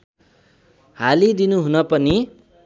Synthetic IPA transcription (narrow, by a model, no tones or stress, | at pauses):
halid̪inuɦunʌpʌni